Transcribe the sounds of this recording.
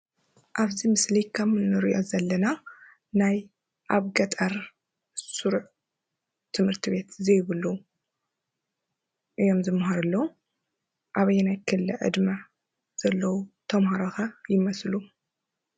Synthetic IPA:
ʔaβzimɨslikʰɐmɨnɨɾɨʔozɐlːɐna | naj | ʔaβɡɐt̪ʼɐɾ | suɾuʕ | t̪ʰɨmhɨɾt̪ʰiβe̞t̪ʰzejβɨlu | ʔɨjo̞mzɨmɦaɾɨlːɐw | ʔaβɐjːnajkʰɨlːɨʕɨ̰d̪mɐ | z̥ɐlːɐwut̪ʰɐmhaɾoxajɪmɐslu

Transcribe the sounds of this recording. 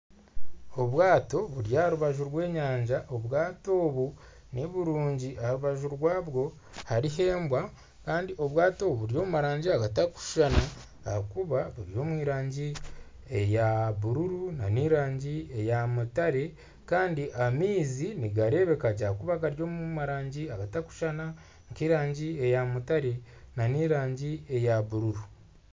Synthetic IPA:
o̞βwaːto̞βuɾjahaɾuβaʒuɾɡwe̞ːɲaːɲɟaʔo̞βwaːto̞ːβu | ne̞βuɾuːɲɟiʔaaɾuβaʒuɾɡwaːβɡo̞ | haɾiɦe̞ːmbwa | kaːndiʔo̞βwaːto̞βuɾijo̞ːmumaɾaːɲɟiaɡataku̥ʃʃana | ahakuβaβuɾijo̞ːmwiːɾaːɲɟi | ejaβuɾuɾunaniːɾaːɲɟiejamutaɾe̞ | kaːndiʔamiːziniɡaɾe̞βe̞kaɟakuβakaɾjo̞ːmumaɾaːɲɟiaɡataku̥ʃana | ŋkiɾaːɲɟie̞jamutaɾe̞ | naniːɾaːɲɟie̞jaβuɾuɾu

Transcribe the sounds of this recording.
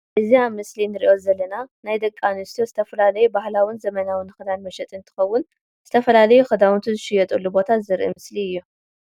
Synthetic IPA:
ʔɨziamɨslinɨɾiʔo̞zɐlːɐnanajd̪ɐkʼːanɨst̪ijozɨt̪ʰɐfɐlalɐjubahlawinzɐmɐnawɨnːɨxɨd̪anmɐʃɛt̪ʼɨnt̪ʰɨ̥xɐwːʊn | zɨt̪ʰɐfɐlalɐjuxɨd̪awnt̪ʰuzɨʃɪjɛt̪ʼɨlːubo̞t̪ʰazɨɾʔɨ̰mɨsliɨjːu

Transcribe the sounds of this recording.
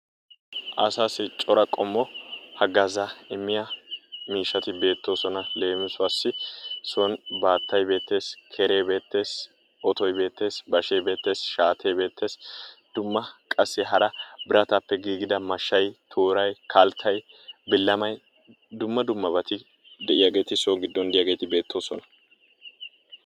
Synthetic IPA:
ʔɐsaːsɪt͡ʃʼɔɾɐkʼɔmːɔhɐɡɐzɐɪmːɪjɐmiːʃːɐt̪ɪbe̞ːt̪ːo̞ːsɔnɐle̞ːmɪsʊaːsːɪsɔnbaːt̪ːɐjbe̞ːt̪ːe̞ːskʰeɾe̞ːbe̞ːt̪ːe̞ːs | ʔɔt̪ɔjbe̞ːt̪ːe̞ːsbɐʃeːbe̞ːt̪ːe̞ːsʃaːt̪ʰe̞ːbe̞ːt̪ʰːe̞ːsd̪̥ʊmːɐkʼɐsːɪɦɐɾɐbɪɾɐt̪apːɛɡiːɡɪd̪ɐmɐʃːɐjt̪ʰoːɾɐjkʰɐlt̪ʰːɐjbɪlːɐmɐj | d̪ʊmːɐd̪ʊmːɐbɐt̪ɪ | d̪ɛʔɪjaːɡe̞ːt̪ɪsɔɡɪd̪ːɔnd̪ɪjaːɡeːt̪ɪbe̞ːt̪ːoːsɔnɐ̥

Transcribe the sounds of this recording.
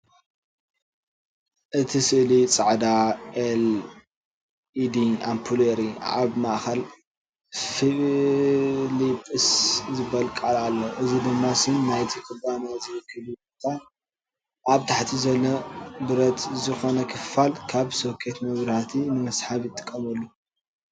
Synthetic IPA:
ʔɨt̪ʰisɨʔlit͡sʼaʕd̪aʔel | id̪ia̰mpʰuleɾia̰βmaʔxɐl | fi | lipʼɨszɨbɐlkʼalalːoʔɨzid̪ɨmːasɨnːajt̪ʰikʰɨbanazɨjkʰɨlibot̪ʰa | ʔaβt̪ʰaħt̪ʰizɐlːɐbɨɾɐt̪zɨxo̞nɐkʰɨffalkʰaβsokʰːet̪mɐβɾhat̪ʰinɨmɐsħaβjɪt̪ʼːɨ̥kʼːɐmɐlːu

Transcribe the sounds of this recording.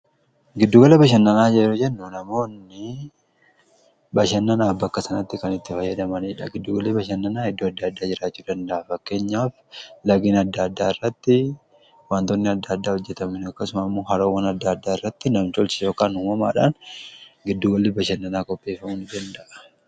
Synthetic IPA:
ɡɪd̪ːuːɡɐlɐbɐʃ̬ɐnːɐnaːd͡ʒɛɾʊd͡ʒɛnːunɐmo̞ːnːɪ | bɐʃɐnːɐnaːbɐkːɐsɐnɐt̪ːɪkɐnɪt̪ːɪfɐjːɐd̪ɐmɐniːᶑɐɡɪd̪ːuːɡɐlibɐʃɐnːɐnaːɪd̪ːoːɐd̪ːaːd̪ːaːd͡ʒɪɾaːt͡ʃːuːd̪ɐnd̪ɐʔɐfɐkːe̞ːɲːaːflɐɡiːnɐd̪ːaːd̪ːaːɪrːɐt̪ːɪ | waːnt̪ɔnːɪɐd̪ːad̪ːaːhɔd͡ʒːɛt̪ɐmɪnɐkːɐsʊmamːoːɦɐɾoːwːɐnɐd̪ːaːd̪ːaːɪrːɐt̪ːɪnɐmt͡ʃɔlt͡ʃɪjo̞ːkaːnuːmɐma̰ːᶑa̰ːnɡɪd̪ːuːɡɐlːibɐʃɐnːɐnaːkʼɔpːe̞ːfɐmuːnɪd̪ɐnd̪ɐʔɐ̥

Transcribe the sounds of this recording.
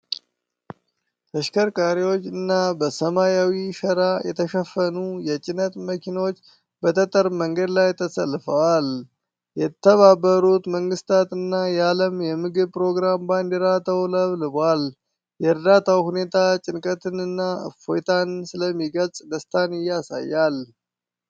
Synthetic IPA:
t̪əʃkəɾkʼaɾiwo̞t͡ʃːɨnːabəsəmajawiʃəɾajɛ̰t̪ʰəʃəfːənujɛt͡ʃʼɪnət̪məkʰinwot͡ʃː | bət̪ʰət̪ʼəɾməŋɡəd̪lajt̪ʰəsəlfəwal | jɛt̪ʰːəβabːəɾut̪məŋɡɨst̪ʰat̪ɨnːajaləmjɛmɨɡɨβpʼɾo̞ɡɾamband̪eɾat̪ʰəwləβlɨbal | jɛɨɾd̪at̪ʰawhune̞t̪ʰat͡ʃʼɪnkʼət̪ʰɨnɨnːafojt̪ʰansɨləmːiɡəlsʼd̪əst̪ʰanɪjːasa̰jːal

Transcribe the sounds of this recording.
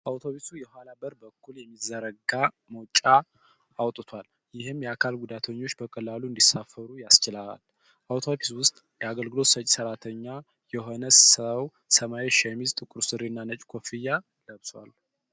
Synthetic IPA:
ʔawt̪ʰo̞βisujɛɦalabəɾbəkːuljɛmːizəɾəɡa | mot͡ʃʼːa | ʔawt̪ʼɨt̪ʰwal | jɪhɨmjɛakʰalɡud̪at̪ʰəɲːo̞t͡ʃːbəkʼəlːaluɨnd̪isafːəɾujast͡ʃɪlaa̰l | ʔawt̪ʰo̞biswʊst̪ʼjɛaɡəlɡɨlo̞t̪sət͡ʃʼsəɾat̪ʰəɲːa | jɛɦo̞nəssəw | səmaeʃɛmizt̪ʼɨkʼʊɾsɨɾinːanət͡ʃʼkʰofija | ləβswa̰l

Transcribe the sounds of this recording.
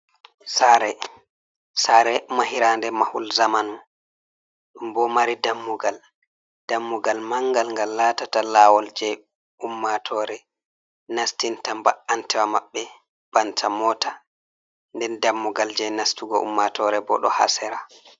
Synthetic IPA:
saɾɛ | saɾɛmahiɾandɛmahulzamanu | mbɔmaɾidamːuɡal | d̥amːuɡalmaŋɡalŋɡalːatatalawɔld͡ʒɛj | umːatʰɔɾɛ | nastintambaantʰɛwamaɓːɛ | b̥antʰamɔːta | ndɛndamːuɡald͡ʒɛnastuɡɔʔṵmːatʰɔɾɛbɔ̰ɗɔ̰ha̰sɛɾa

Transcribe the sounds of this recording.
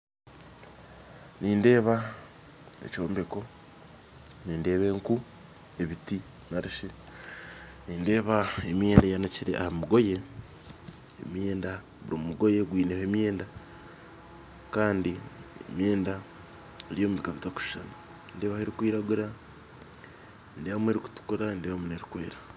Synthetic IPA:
niːnde̞ːβa | ḛco̞ːmbe̞ko̞ | niːnde̞ːβe̞ŋku | e̞βiti | naɾiʃe | niːnde̞ːβaemje̞ːndajanaciɾe̞̰ʔa̰hammuɡo̞je̞ | mje̞ːnda | βuɾimumuɡo̞je̞ɡwiːnehemjeːnda | kaːndiḛmje̞ːnda | eɾjo̞ːmuβikaβitaku̥ʃi̥ʃanu | ndeːβaheɾikwiːɾaɡuɾa | ndeβamue̞ɾiku̥tu̥kuɾandeβamuneɾikweːɾa

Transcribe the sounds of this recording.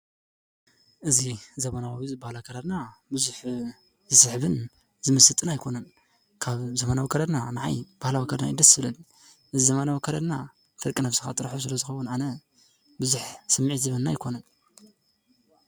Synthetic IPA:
ʔɨzizɐmɐnawwizɨbahlakʰɐɾɐd̪nabɨzuħ | zɨsɨħβɨn | zɨmɨsɨt̪ʼːɨnajkʰo̞nɐn | kʰaβzɐmanawikʰɐɾɐd̪nanɨʕa̰jb̥ahlawikʰɐd̪na̰jid̪ɐsɨβɨlɐli | ʔɨzizɐmanawkʰɐɾɐd̪na | fɨɾkʼinaβsɨxat̪ʼɨɾħus̬ɨlɐzɨxɐwʊnʕanɐ | bɨzuħsɐmːɨʕit̪zɐβɐnːajɪkʰo̞nɐn

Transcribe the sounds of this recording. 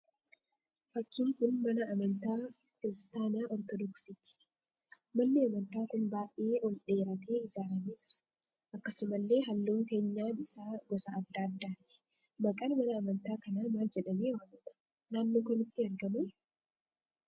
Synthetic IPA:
fɐkːiːŋkʊnmɐnɐːmɐnt̪aː | kɪɾɪst̪aːnaːʔɔɾt̪ɔd̪ɔksɪt̪ɪ̥ | mɐnːeːɐmɐnt̪aːkʊnbaːʔʔeːʔɔlᶑe̞ːɾɐt̪eːɪzaːɾɐmeːd͡ʒɪɾɐ̥ | ʔɐkːɐsʊmɐlːe̞ːɦɐlːuːŋkeːɲːaːnɪsaːɡɔsɐːd̪ːaːd̪ːaːt̪ɪ̥ | bɐkʼɐnmɐnɐːmɐnt̪aːkɐnaːmaːld͡ʒɛᶑɐmeːwaːnɪᶑɐ̥ | naːnːoːkɔnɪt̪ːɪɐɾɡɐmɐj

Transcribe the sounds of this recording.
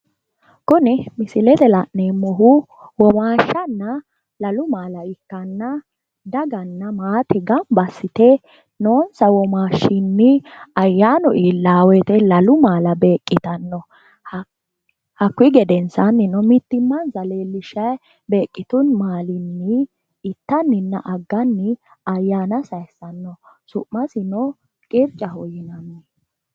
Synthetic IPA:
kʊnɛmɪsɪlɛt̪ɛlɐʔneːmːɔɦʊ | wɔmaːʃːɐnːɐ | lɐlʊmaːlɐɪkːɐnːɐ | d̪ɐɡɐnːɐmaːt̪ɛɡɐmbɐsɪt̪ɛ | noːnsɐwɔmaːʃːɪnːɪɐjːaːnɔʔiːlːaːwɛt̪ɛlɐlʊmaːlɐbe̞ːkʼːɪt̪ɐnːɔ | hɐkːwɪɡɛd̪ɛnsɐnːɪnɔmɪt̪ːɪmːɐnzɐleːlːɪʃɐj | be̞ːkʼːɪt̪ʊnmaːlɪnːɪ | ɪt̪ːɐnːɪnːɐʔɐɡːɐnːɪ | ɐjːaːnɐsɐjsːɐnːɔ | sʊʔmɐsɪnɔ | kʼɪɾt͡ʃʼːɐɦɔjɪnɐnːɛ

